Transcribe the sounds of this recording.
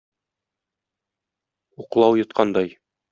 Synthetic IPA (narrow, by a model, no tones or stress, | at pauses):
uqlˠɑwjɤ̆t̪̚qɑnd̪ɑj